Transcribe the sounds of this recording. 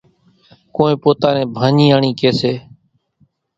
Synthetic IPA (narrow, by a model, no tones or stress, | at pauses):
kõːẽːpoːt̪aːnẽːbʱaːɲiːaːɳiːkeːseː